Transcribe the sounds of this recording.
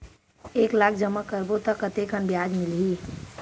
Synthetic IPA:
eklak̚ʰd͡ʒəmːəkəɾbot̪əkət̪ekənbijad͡ʒmilɦi

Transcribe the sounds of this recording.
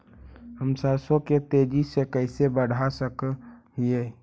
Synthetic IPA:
həmsasoket̪ed͡ʒisekəɦsebəɽ̤ʱasəkɦie

